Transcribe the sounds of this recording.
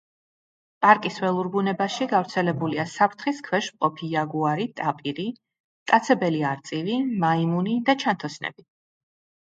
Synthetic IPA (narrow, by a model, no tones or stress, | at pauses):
pʼaɾkʼisvɛlˠuɾbunɛbaʃiɡavɾt̪sʰɛlɛbuliasapʰɾt̪ʰχiskʰwɛʃmqʼɔpʰijaɡuaɾit̪ʼapʼiɾi | t̪ʼat̪sʰɛbɛliaɾt̪sʼivimaimunid̪at͡ʃʰant̪ʰɔsnɛ̰bi